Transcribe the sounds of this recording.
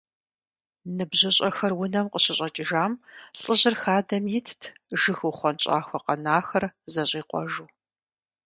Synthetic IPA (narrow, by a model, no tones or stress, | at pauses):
nɨbʑɪɕʼɐxɐrwʊnɐmqəɕɪɕʼɐt͡ʃʼɪʒaːmɬʼəʑɪrxaːdɐmjɪtʰtʰʒɨxuχʷɔnɕʼa̰ːxʷɔqɐnaːxɐrzɐɕʼiːqʷɔ̰ʒuː